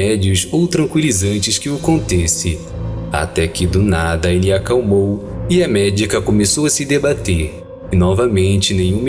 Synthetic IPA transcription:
ɛd͡ʒiʊzowt̪ɾɐ̃ŋkwilizɐ̃nt͡ʃɪskɪʊkõnt̪ɛsɪ | a̰t̪ɛkɪd̪ʊnad̪ɐelɪakawmowɪɐmɛd͡ʒikɐkomesowɐsɪd̪ebat̪eɾ | ɪnɔvɐmẽnt͡ʃɪnẽj̃ũm

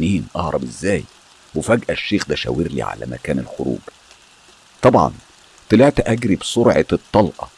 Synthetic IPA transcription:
niːnʔɑhɾˤɑbezːæːj | wefæɡʔæʃːeːxd̪æʃæ̰weɾlḭʕa̰læ̰mæ̰kæːnelxoɾṵːɡ̥ | t̪ˤɑbʕɑ̰n | t̪eleʕt̪æʔæɡɾibsˤoɾʕɑt̪ˤːɑlʔɑ

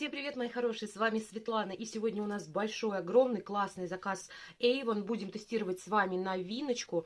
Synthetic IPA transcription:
sʲe̞mpɾʲɪvʲe̞t̪mɐjixɐɾo̞ʂɨjəsvamʲɪsvʲɪt̪lˠanəʔisʲɪvo̞dʲnʲəʊnasbɐlʲʂo̞jɐɡɾo̞mnɨjklˠasnɨjzɐkasejvənbudʲɪmt̪ɨsʲtʲiɾəvətʲsvamʲɪnɐvʲinət͡ɕkʊ

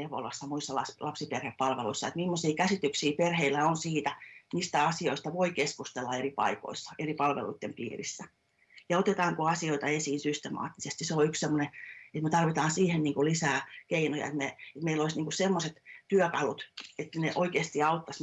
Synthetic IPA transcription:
eʋo̰lɑsːɑmuisːɑlɑslɑpsiperheppɑlʋḛluisːɑet̪mimːosiːkæsit̪yksiːperheilːæonsiːt̪æniːst̪æɑsioist̪ɑʋoikeskust̪elːɑeripɑ̰iko̰isːɑ̥eripɑlʋḛlṵit̪ːempḭːrḭsːæ | jɑot̪et̪ɑːŋkoɑsioit̪ɑesiːnsyst̪emɑ̰ːt̪ːisest̪iseoykssemːoneet̪met̪ɑrʋit̪ɑːnsiːhenniːŋkulisæːkeinojɑ̰et̪meet̪meiloisniːŋkussemːoset̪t̪yøkɑlut̪et̪ːæneʔoikeːst̪iɑut̪ːɑs

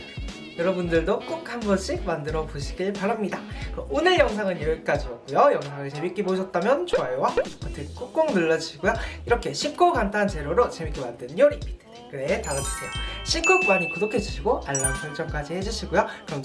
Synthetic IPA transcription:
jʌɾʌbundɯɭdok͈ukʰhanɡʌɕʰik̚mandɯɾʌbuɕʰi̥ɡiɭpaɾamɲidakɯʔonɯɭjʌŋs̬ʰaŋɯnjiɾɯɭk͈ad͡ʑiʌt̚k͈ujojʌŋsʰaŋɯɭt͡ɕe̞mik͈iboɕʰʌt̚t͈amjʌnt͡ɕʰoaewak͈ɯtʰek͈uk̚k͈oŋnɯɭːʌd͡ʑuɕʰiɡojoiɾʌkʰe̞ɕʰip̚k͈okantʰant͡ɕe̞ɾoɾot͡ɕemik͈emandɯnjoɾii | kɯɾe̞taɡɯt͡ɕʰi̥kʰeɕʰik͈ʰok̚k͈waɲikudokʰe̞d͡ʑuɕʰiɡoʔaɭːansʰʌŋt͡ɕ͈ʌmk͈ad͡ʑihe̞d͡ʑuɕʰiɡojokɯɾʌmt͡ɕ

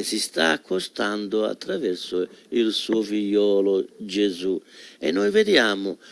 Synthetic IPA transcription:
sist̪a̰akʰːost̪and̪ʊa̰t̪ːɾavɛrsʊilsuːofiʎːɔːlʊd͡ʒezuɛ̰nːɔjved̪jaːmʊ

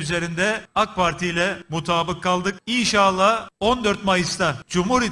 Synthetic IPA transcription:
yze̞ɾind̪ɛak̚pʰaɾt̪ʰijlʲɛmut̪ʰaːbɯkʰːalˠd̪ɯk̚inʃalˠːaːo̞nd̪øɾt̪majɯst̪ʰad͡ʒumhuɾi

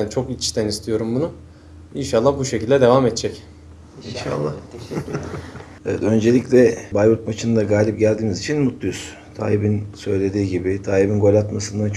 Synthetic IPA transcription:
ænt͡ʃʰo̞kit͡ʃt̪ʰænist̪ʰijo̞ɾumbunʊ | inʃalˠːahbuʃecilʲd̪ɛd̪e̞vaːmɛt̪̚d͡ʒʰɛc | inʃa̰lˠːa | evɛt̪ø̞nd͡ʒelʲicʲlʲɛbajbut̪̚mat͡ʃʰɯnd̪aɡaːlʲip̚ɟælʲd̪iːmizit͡ʃʰinmut̪lˠujz̥ | t̪ʰa̰ːjibinsø̞jlʲe̞d̪iːɟibɪt̪ʰaːjibinko̞lʲat̪masɯnd̪ant͡ʃʰ

